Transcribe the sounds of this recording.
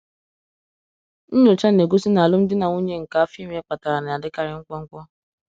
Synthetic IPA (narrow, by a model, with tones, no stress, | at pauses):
n̩˦ɲo˨t͡ʃa˦n˨e˨ɡu˦si˦na˨a˨lʊ˦m̩˦dɪ˦na˨ŋu˦ɲe˦ŋ̩˨ka˦a˦fi˦m˦k͡pa˨ta˨ɾa˨na˨a˨dɪ˦ka˨ɾɪ˦ŋ̩˦kʷɔ˦ŋ̩˦kʷɔ˦